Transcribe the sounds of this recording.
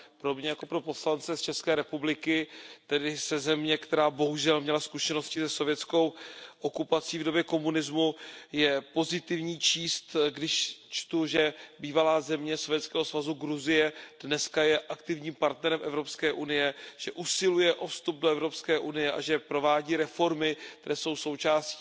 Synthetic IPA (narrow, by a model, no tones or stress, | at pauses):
poɾobɲɛjako̞pɾo̞po̞slant͡sɛst͡ʃɛskɛːɾɛpublɪkɪt̪ɛdɪsɛzɛmɲɛkt̪ɛɾaːboɦuʒɛlmɲɛlaskuʃɛno̞scɪsɛsovjɛt͡sko̞wʔo̞kupat͡siːvdo̞bjɛko̞munɪzmujɛpo̞zɪt̪ɪvɲiːt͡ʃiːst̪ɡdɪʃt͡ʃt̪uʒɛbiːvalaːzɛmɲɛsovjɛt͡skɛːɦo̞svazuɡɾuzɪjɛdnɛskajɛʔakt̪ɪvɲiːmpaɾt̪nɛɾɛmʔɛvɾo̞pskɛːʔunɪjɛʒ̥ɛʔusɪlujɛʔo̞fst̪up̚do̞ɛvɾo̞pskɛːʔunɪjɛʔa̰ʒɛpɾo̞vaːɟiːɾɛfo̞ɾmɪkt̪ɛɾɛːso̞wso̞wt͡ʃaːsci̥